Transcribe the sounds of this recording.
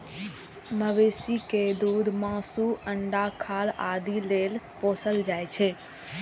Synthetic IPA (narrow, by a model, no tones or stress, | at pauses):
məʋeːsiked̪uːd̪mãːsuə̃ɳɖakʰaːla̰ːd̪ileːlpoːsəld͡ʒaːet͡ʃʰeː